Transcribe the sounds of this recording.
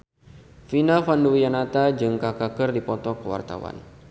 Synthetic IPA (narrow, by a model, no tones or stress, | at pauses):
finafanduijanat̪ad͡ʒɨŋkakakərdipɔt̪ɔkəwa̰rt̪a̰wa̰n